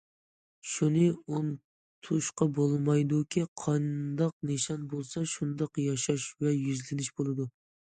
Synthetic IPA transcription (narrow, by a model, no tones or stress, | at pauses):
ʃunɨun | t̪ʰuʃqɑbolˠmɑjd̪ukʲʰiqʰɑnd̪ɑq̚neʃɑnbolˠsɑʃund̪ɑqjɑʃɑʃvɛjyzlɪnɪʃbolˠɨd̪u